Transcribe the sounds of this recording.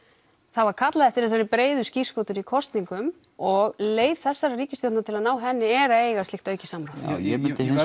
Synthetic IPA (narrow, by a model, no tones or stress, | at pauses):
θaðvaɾkʰat̪laðɛft̪ɪɾθɛs̬avɛɾɪpɾeːjðʏsci̥skowt̪ʏɾikʰɔst̪niŋkʏm | ɔɣleːjð̥θɛsːaɾariːcɪst̪jownnat̪ʰɪlaðnaːwɦɛnːɪɛːɾaeːjɣast̪ɪxt̪œːɥjcɪsamɾawθjɛmɪnt̪ɪɦɪn